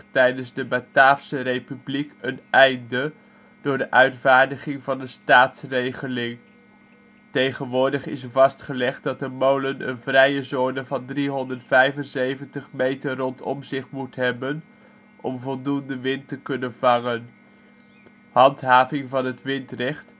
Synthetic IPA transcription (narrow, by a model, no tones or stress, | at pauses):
tɛjdənzdəbataːfsərejpyblikənɛjndə | d̥ʊːɹdəʔœɥtvaːɹdəχɪŋvɑnəstaːtsrejχəlɪŋ | tejχənʋʊːɹdəχɪsəvɑstχəlɛχt̚dɑtəmowlənə̰nvrɛjəzoːnəvɑndriɦɔndəɹtfɛjvənzejvəntəχmejtəːɔntɔ̰mzɪχmutɦɛbən | ʔɔ̰mvɔlˠdundəʋɪntəkɵnənvɑŋən | hɑntɦaːvɪŋvɑnɦətʋɪntrɛχt